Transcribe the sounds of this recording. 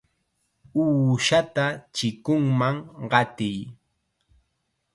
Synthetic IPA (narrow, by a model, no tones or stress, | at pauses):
uːʃat̪at͡ʃɪkʊŋmaŋɢɑt̪ɪj